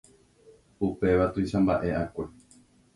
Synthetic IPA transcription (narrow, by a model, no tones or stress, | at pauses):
upe̞ʋat̪ujʃãmbaʔe̞ʔakʷe̞